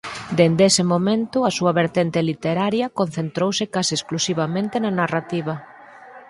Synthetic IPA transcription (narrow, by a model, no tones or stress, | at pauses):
d̪end̪esemomẽnt̪ʊɐsuɐβeɾt̪ent̪elit̪eɾaɾjɐkonθent̪ɾowsɪkasɪesklusiβ̞amẽnt̪enanarat̪iβ̞ɐ